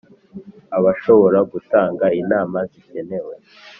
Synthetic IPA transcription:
aβaʃo̞βo̞ɾaɡutaːŋɡainaːmazice̞ne̞we

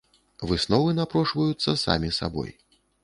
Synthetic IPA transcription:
vɨsnɔvɨnapɾɔʂvɐjut̪sːɐsa̰mʲisa̰bɔ̰j

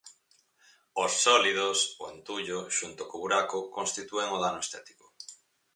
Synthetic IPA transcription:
osːɔliðosoent̪uʎoʃunt̪okoβuɾakʊkonst̪it̪ueŋoðanoest̪ɛt̪i̥ko̥

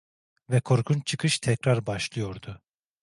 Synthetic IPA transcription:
vɛkʰo̞ɾkʰunt͡ʃʰɯkʰɯʃt̪ʰɛcɾaɾbaʃlˠɯjo̞ɾd̪ʊ

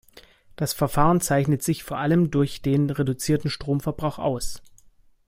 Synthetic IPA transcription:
d̥asfɛɐfaːʁənt͡saɪçnətz̥ɪçfoːɐʔaləmdʊɐçd̥eːnʁedut͡siːɐtn̩ʃtʁ̥oːmfɛɐbʁaʊxʔa̰ʊs

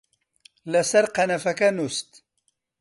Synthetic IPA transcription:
lɐsɐɾqɐnɐfɐkɐnust̪

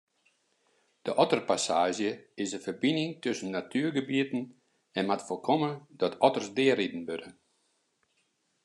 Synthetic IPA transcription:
d̥əʔɔtərpasaːʒjəɪsəfərbinɪŋtʰøsənːatʰyərɡəbiətn̩ | ɛnmatfolˠkʰomədɔtʰɔtərsdɪəridən̩bødə

